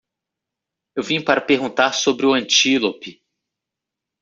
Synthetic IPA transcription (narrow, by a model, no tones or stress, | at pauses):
ewvĩɲʊpaɾɐpeɾɡũnt̪aɾsobɾɪʊɐ̃nt͡ʃilopɪ